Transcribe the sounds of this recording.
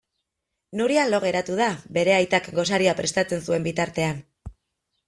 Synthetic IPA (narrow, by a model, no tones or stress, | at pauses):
nuɾialo̞ɣ̞e̞ɾat̪uðabe̞ɾe̞ajt̪akɡo̞saɾiapɾe̞st̪at͡se̞nsue̞mbit̪aɾt̪e̞an